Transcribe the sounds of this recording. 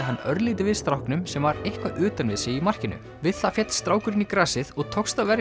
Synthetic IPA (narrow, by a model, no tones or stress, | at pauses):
ɦanːœɾlɪːt̪̬ɪvɪðst̪ɾawhknʏmsɛmvaɾejhkvaʔʏːt̪anvɪðsɪimar̥cɪnʏ̰ | vɪðθafjɛt̪lst̪ɾaːwkʏɾɪnikɾaːsɪðɔɣt̪ʰɔkst̪avɛɾ